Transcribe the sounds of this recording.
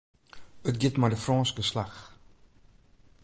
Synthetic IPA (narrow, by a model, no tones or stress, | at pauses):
ət̚ɡitmɐdəfrɑ̃ːnskəslɐχ